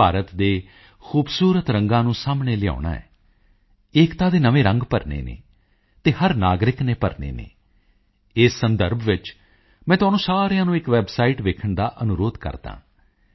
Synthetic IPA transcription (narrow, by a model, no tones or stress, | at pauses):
aːɾət̪d̪eː | xʰuːbsuːɾət̪ɾə̃ŋɡãːnũːsaːmɳeːlɪja̰ːʊna̰ːɛ̰ː | ɪːkt̪ãːd̪eːnəʋẽːɾə̃ŋɡpəɾnḛːnḛː | t̪eːhəɾnaːɡɾɪkneːpəɾnḛːnḛː | ɪsːənd̪əɾbʱʋɪt͡ʃ | mɛ̃ːt̪ʊaːnũːsaːɾejãːnũːɪkʋɛːbsaːiːʈʋeːkʰəɳd̪aːʔənʊɾoːd̪kə̰ɾd̪ã̰ː